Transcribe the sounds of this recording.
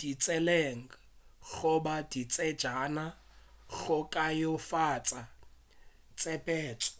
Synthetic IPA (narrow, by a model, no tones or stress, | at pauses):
d̥it͡sʼɛleŋ̩ | ɣʊbadit͡sʼɛd̥d͡ʒana | ɣʊkʼajofat͡sʼa | t͡sʼɛpʼɛːt͡sʼɔ̥